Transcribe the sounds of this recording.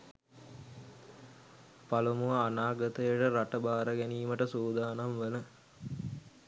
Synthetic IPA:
palumuʋaanaːɡət̪əjəʈəɾaʈəbaːɾəɡɛniːməʈəsoːd̪aːnamʋələ

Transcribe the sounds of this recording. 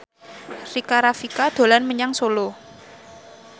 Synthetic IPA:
rikaɾafikad̪̥o̤lanməɲaŋsolo

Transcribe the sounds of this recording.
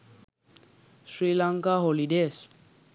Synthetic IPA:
sɹilaŋkaɦɔlidɛs

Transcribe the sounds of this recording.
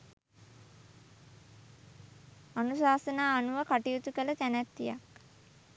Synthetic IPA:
anusaːsənaːnuʋəkaʈijut̪ukələt̪ænæt̪ːijak

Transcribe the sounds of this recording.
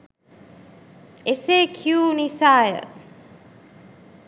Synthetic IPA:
eseːkʰijunisaːjə̰

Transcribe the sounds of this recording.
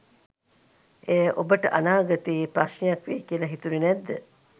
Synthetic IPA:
ejʔobəʈə̰ʔɐnaːɡɐt̪iːpɾasnejɐkʋeːkiəlɐɦit̪uɾinɛd̪ːə

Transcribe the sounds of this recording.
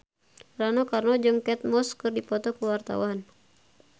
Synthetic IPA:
ranɔkarnɔd͡ʒɨŋkɛt̪̚mɔskɨrdipɔt̪ɔkəwart̪a̰wan

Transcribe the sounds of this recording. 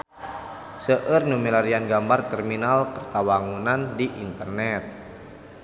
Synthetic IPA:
səʔərnumilaɾianɡambart̪ɛrminalkərt̪awaŋunandiʔḭnt̪ərnɛt̪̚

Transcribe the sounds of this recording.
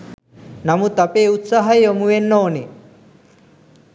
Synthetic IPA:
namut̪apeːut̪saɦajomuʋenːoːne

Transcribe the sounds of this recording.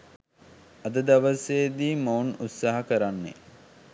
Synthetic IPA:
ɐd̪əd̪aʋəseːd̪iːmounut̪saːɦɐkəɾanːḛ

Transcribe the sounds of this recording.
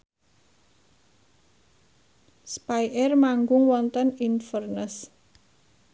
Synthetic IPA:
spajʔɛrmaŋɡʊŋwɔnt̪əninfərnəs

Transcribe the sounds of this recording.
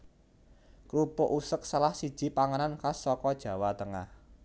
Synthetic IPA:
kɾupʊʔusək̚salahsid̥ʒ̥i̤paŋənankasɔkɔd̥ʒ̥ä̤wat̪əŋah

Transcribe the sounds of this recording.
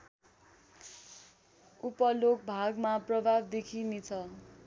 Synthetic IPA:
upʌlok̚bʱaɡmaprʌbʱabd̪ekʰinet͡sʰʌ

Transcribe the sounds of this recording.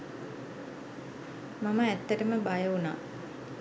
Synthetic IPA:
maməæt̪ːəʈəməbajəuna̰ː

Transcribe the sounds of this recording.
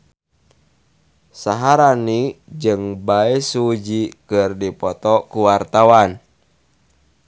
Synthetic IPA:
saɦaɾanid͡ʒɨŋbaisud͡ʒikɨrdipɔt̪ɔkuwart̪awan

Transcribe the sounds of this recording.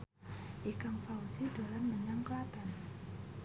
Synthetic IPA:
ʔikaŋfausidalanməɲaŋkəlat̪an

